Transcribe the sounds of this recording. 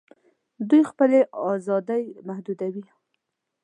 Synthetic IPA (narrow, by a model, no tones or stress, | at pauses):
d̪ujxpəleʔɑzɑd̪əjmahd̪ud̪awi